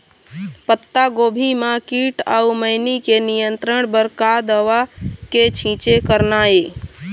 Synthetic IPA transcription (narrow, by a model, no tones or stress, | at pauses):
pət̪ːaɡobʱimakiʈa̰uməɪnikenijənt̪ɾəɳbəɾkad̪əʋaket͡ʃʰĩt͡ʃekəɾnae